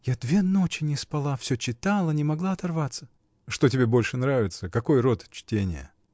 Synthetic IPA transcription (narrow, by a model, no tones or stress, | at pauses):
jad̪vʲe̞no̞t͡ɕɪnʲɪspɐlˠafsʲɵt͡ɕɪt̪alˠənʲɪmɐɡlˠaɐt̪ɐrvat̪sə̥ | ʂt̪o̞tʲɪbʲebo̞lʲʂɨnɾavʲɪt̪səkɐko̞jɾo̞t̪t͡ɕtʲenʲɪ̰jə̰